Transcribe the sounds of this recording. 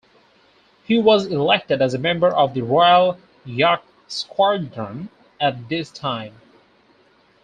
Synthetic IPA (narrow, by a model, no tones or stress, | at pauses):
hiwʌzɪlɛk̚tɨɾɨzəmɛ̃mbə˞ʔʌvðɨɹɔɪəlˠ | jɑk̚ | skʰwɑɹdɹə̃n | ɨt̚ðɪstʰãɪ̃m